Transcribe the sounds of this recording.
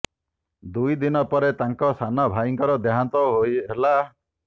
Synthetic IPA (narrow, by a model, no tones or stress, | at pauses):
d̪ujd̪inɔpɔɾet̪aŋkɔsanɔbʱaiŋkɔɾɔd̪eɦant̪ɔɦojela